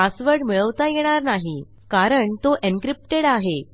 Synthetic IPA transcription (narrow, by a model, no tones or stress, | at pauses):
asʋəɾɖmiɭəʋt̪ajeɽ̃aɾnaɦi | kaɾəɳt̪oʔenkɾip̚ʈeɽaɦe